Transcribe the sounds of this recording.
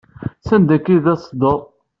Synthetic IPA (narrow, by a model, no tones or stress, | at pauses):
sænd̪ækːiðæsˤd̪əˤ